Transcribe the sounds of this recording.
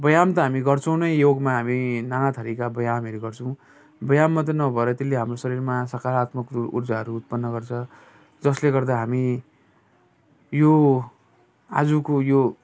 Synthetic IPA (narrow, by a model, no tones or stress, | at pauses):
bʌjamt̪ʌɦamiɡʌrt͡sʰʌw̃nʌjjoɡmaɦaminanat̪ʰʌɾikabʌjamʌɾuɡʌrt͡sʰʌw̃ | bʌjamːat̪ʌnʌbʱʌeɾʌt̪elːeɦamrosʌɾiɾmasʌkaɾat̪mʌkṵrd͡zaɦʌɾuːt̪̚pʌnːʌɡʌrt͡sʰʌ | d͡zʌsleɡʌrd̪aɦami | jo | a̰d͡zukojo